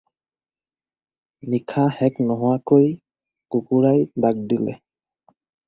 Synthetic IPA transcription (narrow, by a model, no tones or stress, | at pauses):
nikʰahɛknɔɦɔwakoj | kukuɹajdak̚dilɛ̰